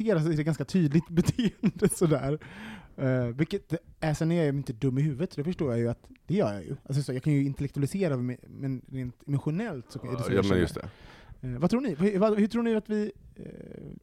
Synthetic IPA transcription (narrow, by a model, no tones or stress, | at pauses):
eːɾasɔɛɖɛɡanskat̪ʰyːd̪lɪɡt̪bɛt̪ʰeːənd̪əsɔd̪æːɾ | vɪkːət̪̚d̪ɛæsɛnːɛjaɾmɪnt̪əd̪ɵmːɪhʉ̟ːvət̪d̪ɛfœʂʈoːɾjajɵat̪d̪̥ɛjœ̰ːɾjɑ̰ːjɵ̰alsɔsɔjɑːkʰanjɵɪnt̪ɛlɛk̚t̪ɵalɪseːɾa̰mɛnɾeːnt̪ɛmʊɧʊnɛlt̪sɔkæ̰dɛsmɛjɵ̰st̪ɛ̰ | vat̪ʰɾuːɳɪvahvahɵʈʰɾuːɳɪat̪vɪ